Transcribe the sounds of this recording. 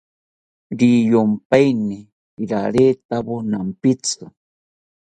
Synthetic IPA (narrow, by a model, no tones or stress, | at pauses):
ɾijompajnɪ | ɾaɾeːt̪aβonampɪt͡sɨ